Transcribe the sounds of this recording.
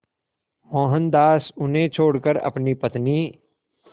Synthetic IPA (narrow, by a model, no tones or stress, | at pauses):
mɔ̃ːɦənd̪aːsʊnɦẽt͡ʃʰoːɽkəɾɐ̰pnipɐt̪niː